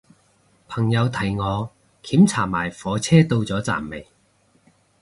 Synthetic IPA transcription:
pʰɐ˨˩ŋjɐ˨˧wt̪ʰɐ˨˩jŋɔː˨˧ | kʰiː˨˥mt͡sʰaː˨˩maː˨˩jfɔː˨˧t͡sʰɛː˥t̪o˧wt͡sɔː˨˥t͡sa̰ː˨˩mːe˨j

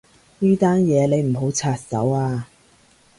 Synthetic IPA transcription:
niː˥t̪aː˥njɛː˨˧le˨˧jm̩˨˩ɦo˨˥wt͡sʰaː˧t̚sɐ̰˨˥waː˧

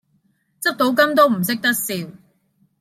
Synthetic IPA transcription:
t͡sɐ˥k̚t̪o˨˥wk̬ɐ˥mt̪o˥wm̩˨˩sɪ˥k̚t̪ɐ˥k̚siː˧w

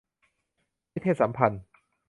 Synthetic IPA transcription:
mi˦˥t̪ʰːeː˥˩t̪̚sa˩˦mpʰa˧n

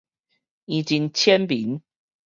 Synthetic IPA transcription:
i˨˩t͡ɕi˦ŋt͡ɕʰjɛ˦npi˨˦n

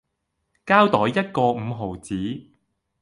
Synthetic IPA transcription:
kaː˥wt̪ɔː˨˥jːɐ˥t̚kɔː˧m̩ː˨˧ɦo˨˩wt͡siː˨˥

